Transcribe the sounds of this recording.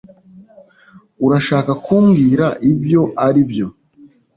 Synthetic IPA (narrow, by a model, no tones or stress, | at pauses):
uɾaʃaːkakuːmɡiːɾaʔibjo̞ʔaɾibjo̞